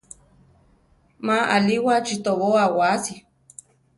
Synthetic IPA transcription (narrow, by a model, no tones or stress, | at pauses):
maaliwat͡ʃit̪oβoawasi